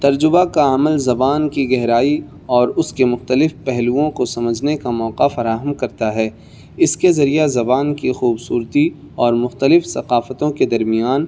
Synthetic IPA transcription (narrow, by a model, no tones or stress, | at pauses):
t̪ɐɾd͡ʒʊbakaɐməlzɐbaːnkiɡɛɦɾaːi | ɔːɾʊskemʊxt̪əlɪfpɛɦluõkosɐməd͡ʒʱnekamɔːqafɐɾaːɦəmkɐɾt̪aɦɛː | ɪskezɐɾijazɐbaːnkixuːbsuːɾt̪i | ɔːɾmʊxt̪əlɪfsɐqaːfət̪õked̪ɐɾmijaːn